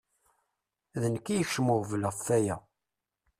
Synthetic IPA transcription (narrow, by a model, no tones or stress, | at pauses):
ðənkːijəçʃəmoʁvləʁfæjæ